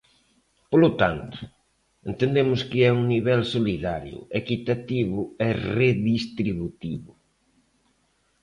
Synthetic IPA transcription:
polʊt̪ant̪ʊ̥ | ent̪end̪emʊskɪɛuŋniβɛlsoliðaɾjʊ̰ekit̪at̪iβʊɛreðist̪ɾiβut̪iβʊ

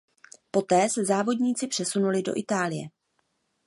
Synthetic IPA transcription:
po̞t̪ɛːsɛzaːvo̞dɲiːt͡sɪpr̥ɛsunulɪdo̞̰ʔɪt̪aːlɪjɛ̰

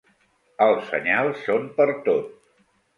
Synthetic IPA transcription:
əlˠsə̰ɲalˠsːompəɾt̪ot̪̚

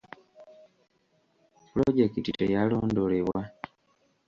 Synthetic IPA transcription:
ploɟekititejalo̞ːndoleβwa

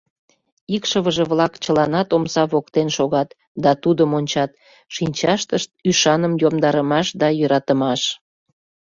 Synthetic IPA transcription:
ikʃəβəʒeβlɑkt͡ɕəlɑnɑt̪omsɑβokt̪enʃoɣɑt̪ | d̪ɑt̪ud̪əmonʲt͡ɕɑt̪ | ʃinʲt͡ɕɑʃt̪əʃt̪̚yʃɑnəmjomd̪ɑɾəmɑʃd̪ɑjøɾɑt̪əmɑʃ

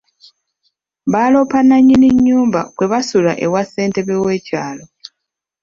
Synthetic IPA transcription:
βaːlo̞panːaɲːiniɲːuːmbakwe̞βasulaʔe̞wasːe̞ːnte̞βewe̞ːcaːlo̞

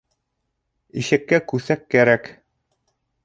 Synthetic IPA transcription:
iʃɘ̆kːækʉθækːæɾæk

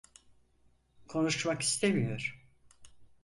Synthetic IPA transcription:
kʰo̞nuʃmaki̥st̪ʰemijo̞ɾ̥

